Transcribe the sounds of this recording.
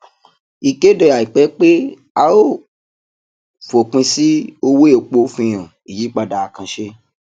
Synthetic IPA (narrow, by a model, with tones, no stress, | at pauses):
i˨ke˦dɔ˧˨ja˨i˨k͡pɛ˨˦k͡pe˦ | a˧o˦˨ | fo˨k͡pĩ˧si˦o˧we˦o˨k͡po˧˦fĩ˧j̃ã˨ | i˨ji˨˦k͡pa˧da˨a˨kã˧ʃe˧